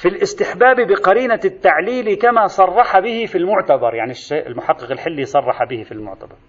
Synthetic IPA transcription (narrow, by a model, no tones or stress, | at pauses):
fɪlʔɪst̪ɪħbaːbibɪqɑɾiːnat̪ːaʕliːlikamasˤɑrˤːɑħɑbɪhɪfilmʊʕt̪abɑɾˤjaʕniʃːeːʔɪlmʊħɑqːɨqɪlħɪlːisˤɑrˤːɑħɑbɪhifilmʊ̰ʕt̪abɑɾˤ